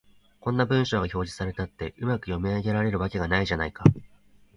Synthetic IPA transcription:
kõ̞nːabɯ̟̃ɰ̃ɕo̞ːɡaço̞ːʑi̥saɾe̞t̪at̪ːe̞ʔɯmakɯ̟jo̞miaɡʲe̞ɾaɾe̞ɾɯ̟βake̞ɡanaiʑanaika

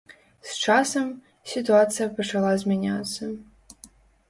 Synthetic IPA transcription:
st͡ʃasɐm | sʲɪt̪ʊat̪sɨjɐpɐt͡ʃɐlˠazʲmʲɛnʲat̪sːɐ

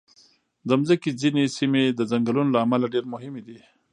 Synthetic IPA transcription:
d̪əmzəkizinesimed̪əzaŋɡalunolaːmalaɖeɾmʊɦɪmed̪i

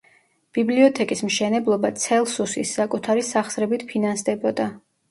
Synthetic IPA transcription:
b̥ibliɔt̪ʰɛkʼismʃɛnɛblˠɔbat̪sʰɛlˠsusisːakʼut̪ʰaɾisaχsɾɛbit̪ʰpʰinansd̪ɛbɔd̪a

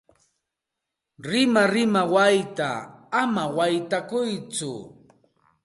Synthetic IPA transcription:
ɾɪmaɾɪmawajt̪a̰ːmawajt̪akʊjt͡sʊ̰

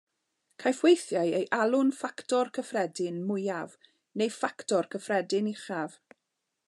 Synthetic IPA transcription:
kʰajfwejθjajejʔalˠʊnfaktɔrkʰəfrɛdɪnmʊjav | nejfaktʰɔrkʰəfrɛdɪniχav̥

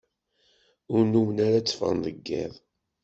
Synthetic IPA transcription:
ʊɾnuwənaɾat͡sːfə̰nðəɡːɪ̰ðˤ

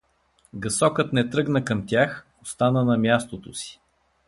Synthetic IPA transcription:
ɡɐsɔkət̪nɛt̪ɾɤɡnəkɐmt̪ʲjax | ost̪anənɐmʲjast̪ot̪osi̥

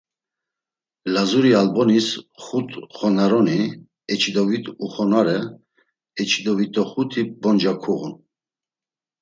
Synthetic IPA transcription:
lazuɾialbɔnisχut̪ʼχɔnaɾɔni | ɛt͡ʃʰid̪ɔvit̪ʼuχɔnaɾɛ | ɛt͡ʃʰid̪ɔvit̪ʼɔχut̪ʰibɔnd͡ʒakʰuɣun

